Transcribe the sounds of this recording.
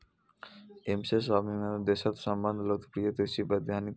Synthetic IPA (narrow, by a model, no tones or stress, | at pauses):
emseʃɔbiad̪eʃat̪ʃɔmbanlot̪pɾiot̪eʃibad̪iɦani